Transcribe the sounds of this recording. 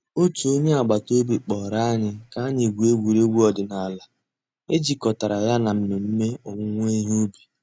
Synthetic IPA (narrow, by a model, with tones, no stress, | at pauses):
o˦tu˨o˦ɲe˦a˨ɡ͡ba˨to˦bi˨k͡pɔ˨ɾa˦a˦ɲɪ˦ka˦a˦ɲɪ˨ɡʷu˨e˦ɡʷu˨ɾe˦ɡʷu˦ɔ˨dɪ˨na˨a˨la˨ | e˦d͡ʒi˨kɔ˨ta˨ɾa˨ja˦na˨m̩˦me˨m̩˦me˦o˨ŋʊ˦ŋʷ˦e˦ɦo˦bi˨